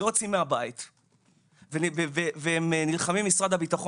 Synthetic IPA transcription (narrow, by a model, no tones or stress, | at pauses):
ot͡simeabait̪ | veniveveveemnilχamimːisʁad̪habitaχo